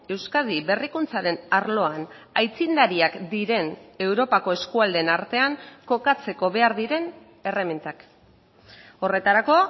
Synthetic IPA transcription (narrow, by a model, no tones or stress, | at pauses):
e̞wskað̞iβe̞rikunt͡saɾe̞naɾlo̞anajt͡sind̪aɾiakd̪iɾe̞ne̞wɾo̞pako̞e̞skuald̪enaɾt̪e̞aŋko̞kat͡se̞ko̞βe̞aɾðiɾe̞n | e̞re̞ment̪ak | o̞re̞t̪aɾako̞